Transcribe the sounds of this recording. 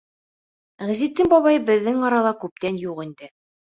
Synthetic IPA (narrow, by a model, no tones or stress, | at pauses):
ʁæ̆zit̪ːɘŋbɒβɑjbɘ̆ðːɘŋɑɾɑlˠɑkʉp̚t̪ænjuqind̪ɘ